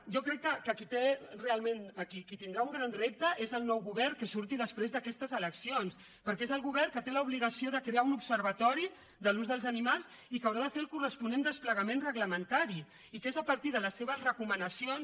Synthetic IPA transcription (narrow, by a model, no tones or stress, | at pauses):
ʒɔkɾɛkːəkəkit̪erealˠmenəkikit̪ind̪ɾauŋɡɾanrep̚t̪əʔezəlˠnɔwɣuβɛrkəsuɾt̪iðəspɾezðəkɛst̪əzələksions | pəɾkɛezəlˠɣuβɛrkət̪eləuβliɣəsioðəkɾeaunupsəɾβət̪ɔɾi | ðəluzðəlˠzənimalˠs | ikəwɾaðəfeəlˠkurəspunend̪əspləɣəmẽnrəɣləmənt̪aɾi | ikezəpəɾt̪iðələsːeβəzrəkumənəsions